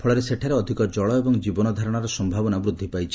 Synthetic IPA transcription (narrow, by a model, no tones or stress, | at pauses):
pʰɔɭɔɾeseʈʰaɾeɔd̪ʱikɔd͡ʒɔɭɔebɔŋd͡ʒibɔnɔd̪ʱaɾɔɽ̃aɾɔsɔmbʱabɔnabɾud̪ʱːipajt͡ʃʰi̥